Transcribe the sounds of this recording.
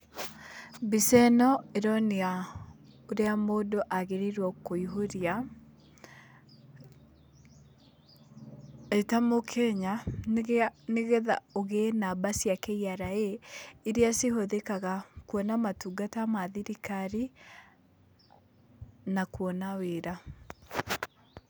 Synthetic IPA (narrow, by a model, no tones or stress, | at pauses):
bisɛnɔeɾɔnea | oɾeamoːdoʔaɣeɾiɾwɔkoiɦoɾia | etamokʰɛɲa | neɣɛða̰oɣenabasjakeiaɾaeːɾeasehoðekaɣakwɔnamatuɡatamaðiɾikaɾi | nakwɔnaweɾa